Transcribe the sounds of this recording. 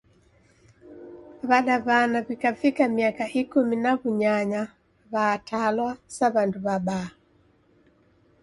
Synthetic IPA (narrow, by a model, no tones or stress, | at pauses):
βaɗaβanaβikafikamiakaʔikuminaβuɲaɲa | βaːtʰalwasaβanduβaɓaː